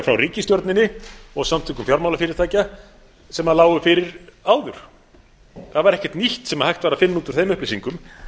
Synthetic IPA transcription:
fɾawriːcɪst̪jɔɾt̪nɪnːɪɔɣsamt̪ʰʏkʏmfjawɾmawlafɪɾɪɾ̥t̪ʰaːjca | sɛmaðlaːwʏfɪɾɪɾaːwðʏɾ̥ | θaðvaɾɛhcɛt̪niht̪sɛmahajxt̪vaːɾafɪnːuːt̪ʏɾ̥θejmʏhplejsiŋkʏm

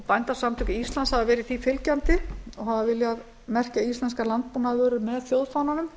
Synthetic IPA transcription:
pajnt̪ḁsamt̪ʰʏcʏist̪lanshavavɛːɾɪθifɪlcant̪ɪɔɦavavɪljað | mɛr̥caist̪ɛnskalant̪̚puːnavʏɾʏmɛðθjowðfananʏm

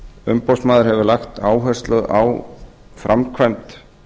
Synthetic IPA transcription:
ʏmpawsmaːðʏɾhɛvʏlaxt̪aːwɦɛr̥st̪lœða̰w | fɾʔamkʰvajmt̪

